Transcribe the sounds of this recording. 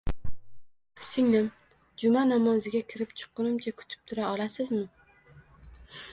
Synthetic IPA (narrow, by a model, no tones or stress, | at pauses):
sɪŋnɪm | d͡ʒʊmanamɒzɪɡʲakʲʰɪɾɪpt͡ʃʰɨ̥qːɨnɪmt͡ʃʰakʰʊ̥t̪ʰɪ̥p̚t̪ʰʊɾaɒlasɪzmɪ